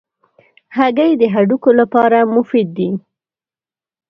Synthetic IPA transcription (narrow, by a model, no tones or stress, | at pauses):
haɡajd̪əɦaɖukolapɑɾamʊfid̪̚ːi